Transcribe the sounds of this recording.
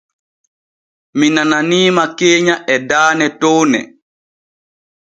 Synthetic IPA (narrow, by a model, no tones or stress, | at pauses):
minananiːmakeːɲaʔɛdaːnɛtownɛ̰